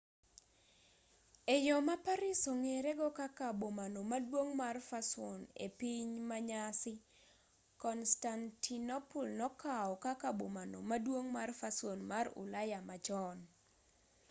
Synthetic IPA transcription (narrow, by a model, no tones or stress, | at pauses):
ejɔmapaɾisoŋeɾeɡɔkakabomanomadwoŋmarfasonḛpiɲmaɲasɪ | kɔnstantʰinopulnɔkaɔkakabomano̰madwoŋmarfasonmarʊ̰lajamat͡ʃɔn